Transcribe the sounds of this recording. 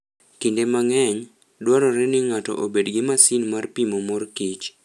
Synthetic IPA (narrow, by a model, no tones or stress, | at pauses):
kindemaŋɛɲ | dwɔɾɔɾɛnɪŋatɔ̰ʔobedɡɪmasinmarpimomorkit͡ʃ